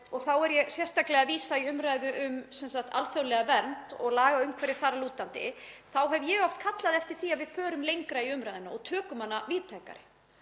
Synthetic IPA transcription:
ɔɣθawɛɾjɛsjɛr̥st̪aklɛɣaviːsaiʏmɾajðʏʔʏmsɛnsaxt̪ʰa̰lfjawlɛɣavɛɾnt̪ɔ̰ɣlaːɣaʏmkʰvɛɾɪ̥θaɾaluːt̪ant̪ɪ̰θawɦɛvjɛɣɔft̪̚kʰat̪laðɛft̪ɪɾ̥θiaðvɪðfœːɾʏmlejŋkɾaiʏmɾajðʏnaɔɣt̪ʰœːkʏmanːaviːðt̪ʰaːjka̰ɾɪ

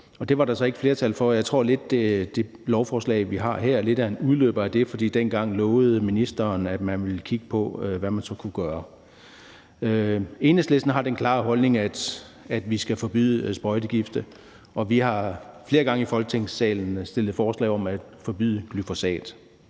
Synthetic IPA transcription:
ɒ̽d̥e̝ʋɑ̈ɾɑ̈sɒ̽e̝ɡ̥fle̝ɐt͡sʰælfɒjɑ̈ɪt͡sʰʁo̝ɐ̰le̝d̥ed̥e̝ | lɒʊfɒːslɛ̰ɪʋiɦɑ̈ɦeɐ̰le̝d̥æɐenuðˠlø̰ːb̥ɐæd̥e̝fɒd̥ḭːd̥enɡ̥ɑ̈ŋ̰lɔːʊð̩ˠminisd̥ɐːnæd̥mænʋe̝lkʰiɡ̥əpʰɒ̽øʋæmænsɒ̽kʰuɡ̥ɶːɐ | øe̝ːnəsd̥lesd̥n̩ɦɑ̈d̥enkʰlɑ̰̈ːɦɒ̽lne̝ŋæd̥ | æd̥ʋisɡ̥æfɒ̽b̥y̰ðˠsb̥ʁɒ̽ɪd̥əɡ̥ifd̥ə | ɒ̽ʋihɑ̈fle̝ːɐɡ̥ɑ̈ŋəifɒ̽lɡ̥ə̥t͡sʰeŋssɛ̰ːln̩sd̥e̝l̰ð̩ˠfɒːslɛ̰ɪɒ̽mæd̥fɒ̽b̥y̰ðˠəɡ̥lyfo̝sɛ̰ːd̥

